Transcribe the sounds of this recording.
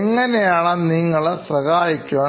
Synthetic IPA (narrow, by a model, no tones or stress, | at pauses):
ŋːɐnejaːɳɐniːŋːɐɭsrɐɣaːjikʲːuʋaː